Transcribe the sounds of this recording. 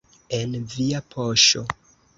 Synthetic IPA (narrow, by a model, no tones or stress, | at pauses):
e̞nviapʰo̞ʃo̞